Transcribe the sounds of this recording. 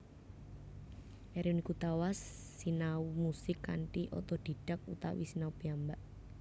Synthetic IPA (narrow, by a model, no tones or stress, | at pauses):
ʔɛɾiunikut̪awasː | inaumusɪkːa̰ɳʈiʔɔ̰t̪ɔd̪̥i̤ɖ̥ak̚ṵt̪a̰wḭsinaub̥iambaʔ